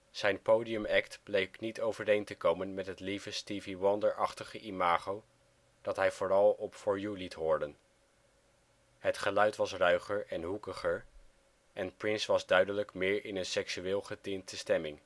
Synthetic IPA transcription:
z̥ɛjnpowdiəmɛktblejknitowvərejntəkowmənmɛtɦətlivəstiviwɔndəɹʔɑχtəχəʔimaːχow | d̥ɑtɦɛjv̥ʊːrɑlˠɔpfʊɹjulitɦʊːɹdən | hətχəlœɥtʋɑsrœɥχəɹɛnɦukəχəɹ | ʔɛnprɪnsʋɑzdœɥdələkmɪːɹɪnənsɛksyʋɪːlˠχətɪntəstɛmɪŋ

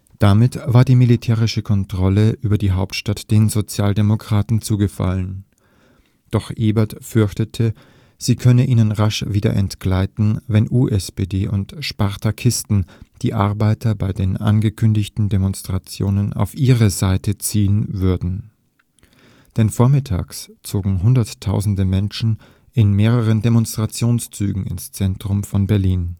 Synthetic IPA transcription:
d̥amɪtv̥aːɐdiːmilitʰɛːʁ̞ɪʃəkʰɔntʁ̥ɔləʔyːbɐdiːɦaʊptʃtatd̥eːnzot͡sjaːldemokʁ̥aːtn̩t͡suːɡəfa̰lən | d̥ɔχʔeːbɛɐtfʏɐçtətʰə | z̥iːkʰœnəʔiːnənʁaʃviːdɐ̰ʔɛntɡ̥laɪtn̩vɛnʔuːʔɛspeːdeːʔʊntʃpaʁtʰakʰɪstn̩d̥ḭːʔaɐbaɪtʰɐbaɪdeːnʔa̰nɡəkʰʏndɪçtn̩demɔnstʁ̥at͡sjo̰ːnəna̰ʊfʔiːʁəzaɪtət͡siːənvʏɐdn̩ | d̥ɛnfoːɐmɪtʰa̰ːkst͡soːɡŋ̩ɦʊndɐtʰːaʊzn̩dəmɛnʃn̩ | ɪnmeːʁəʁ̞əndemɔnstʁ̥at͡sjoːnst͡syːɡŋ̩ɪ̰nst͡sɛntʁ̥ʊmfɔnbɛɐliːn

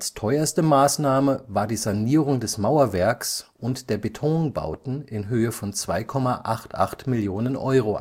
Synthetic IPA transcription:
ʔalstʰɔʏɐstəmaːsnaːməvaːɐdiːzaniːʁʊŋdɛsmaʊɐvɛɐksʔʊntd̥eːɐbetʰɔŋba̰ʊtn̩ɪnɦøːəfɔnt͡sv̥aɪkʰɔmaʔaχtʔa̰χtmɪljoːnənʔɔʏʁ̞o̰

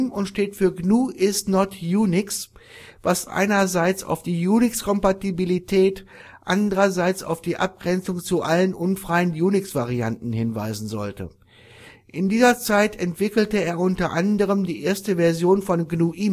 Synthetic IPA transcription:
mʊntʃteːtfyːɐɡnuːʔɪstnɔtjuːnɪksvasʔa̰ɪnɐzaɪt͡sa̰ʊfd̥iːjuːnɪkskʰɔmpatibilitʰɛːt | ʔa̰ndəʁɐzaɪt͡sa̰ʊfd̥iːʔa̰p̚ɡ̥ʁɛnt͡sʊŋt͡suʔalənʔʊnfʁ̥aɪənjuːnɪksv̥aʁ̞ia̰ntn̩hɪnva̰ɪzn̩zɔ̰ltə̰ | ʔɪndiːzɐt͡saɪtʰɛntv̥ɪkl̩təeːɐʔʊntɐʔandəʁ̞əmdiːʔeːɐstəvɛɐzjoːnfɔnɡnuːʔiːm

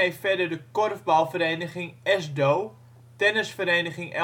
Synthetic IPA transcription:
ejftfɛdərdəkorvbalˠfəɾeːnəχɪŋɛsdoː | tɛnəsfəɾeːnəχɪŋʔɛ

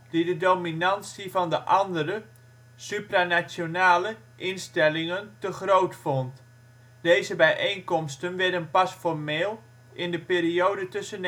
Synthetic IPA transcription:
d̥idədowminɑnsivɑndəʔɑndərə | sypranasjonaːlə | ʔɪnstɛlɪŋəntəχrowtfɔnt | d̥ejzəbɛjʔejnkɔmstənʋɛɹdənpɑsfɔrmeːlˠ | ʔɪndəpeːriowdətɵsən

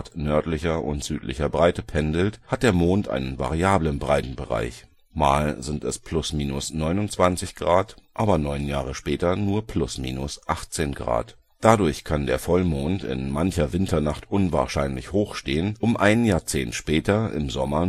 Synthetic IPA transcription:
tnœɐtlɪçɐʔʊ̰ntz̥yːtlɪ̰çɐbʁaɪtəpʰɛndl̩that̚d̥eːɐmoːntʔa̰ɪnənva̰ʁiaːblənbʁaɪtn̩bəʁa̰ɪç | ma̰ːlzɪntɛspʰlʊsmiːnʊsnɔʏnʊnt͡sv̥ant͡sɪçɡ̥ʁaːtʔaːbɐnɔʏnjaːʁ̞əʃpɛːtɐnuːɐpʰlʊsmḭːnʊsʔaχt͡seːnɡʁa̰ːt | d̥adʊɐçkʰandeːɐfɔlmoːntɪ̰nmançɐvɪntʰɐnaχtʔʊnva̰ːɐʃaɪnlɪçhoːxʃteːənʔʊmʔaɪnnjaːɐt͡seːntʃpɛːtɐɪ̰mzɔmɐ

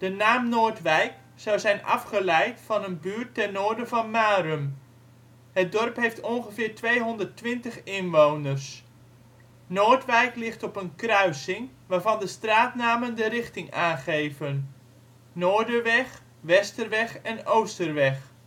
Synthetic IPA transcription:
d̥ənaːmnoːrtʋɛjk | sɔwzɛjnɑ̰fχəlɛjtfɑnənbyəɹtːɛrnoːɹdəvɑnmaːɾəm | hət̚dɔrpɦejftɔnχəvɪːɹtʋejɦɔndərtʋɪntəχɪnʋoːwnərs | noːɹtʋɛjklɪχtɔpənkrœɥsɪŋ | ʋaːrvɑndəstraːtnaːməndərɪχtɪŋaːnχejvən | noːɹdəʋɛχ | ʋɛstərʋɛxɛnowstərʋɛx

